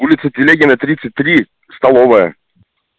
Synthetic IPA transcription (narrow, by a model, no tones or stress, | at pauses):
ulʲɪt̪sɨt̪ʲɪlʲeɡʲɪnət̪ɾʲit̪sɨt̚ʲt̪ɾʲi | st̪ɐlˠovəjə̰